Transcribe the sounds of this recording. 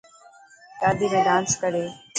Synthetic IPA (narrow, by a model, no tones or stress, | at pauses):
kaːd̪iːmẽːɖãːnskəɽeː